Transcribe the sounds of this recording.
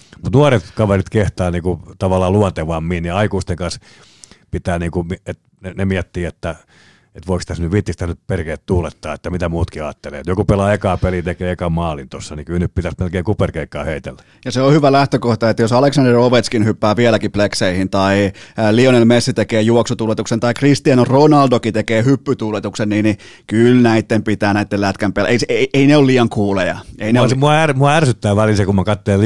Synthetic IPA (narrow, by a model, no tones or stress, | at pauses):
mut̪nuɑret̪kɑʋerit̪keht̪ɑːniːkut̪ɑʋɑlːˑɑːluɑnt̪eʋɑmːiːnniɑikuːst̪eŋkɑns | pit̪æːniːŋkumiet̪ | nenemiɛt̪ːiːet̪ːæ | et̪ʋoikst̪æsnyʋʋit̪ːist̪æsnytperkeːt̪t̪uːlet̪ːɑːet̪ːæmit̪æmuːt̪kiɑːt̪ːelḛːet̪jokupelɑekɑːpelit̪ekeːekɑmɑːlint̪osːɑnikylnyppit̪æsmelkeːŋkuperkeikːˑɑːheit̪ḛlːæ̥ | jɑseohyʋælæht̪økoht̪ɑet̪ːæjosɑleksɑnderoʋet̪skinhypːæːʋiɛlækiplekseihint̪ɑilionelmesːit̪ekeːjuoksut̪uːlːˑet̪uksent̪ɑikrist̪iɑnronɑldokit̪ekeːhypːyt̪uːlːet̪uksenniːni | kylnæit̪ːempit̪æːnæit̪ːellæt̪kæmpel̰ʔeiseieineolliːɑŋkuːlejɑ̰eineosmuɑærmuɑærsyt̪ːæːʋælilsekummɑkɑt̪ːelel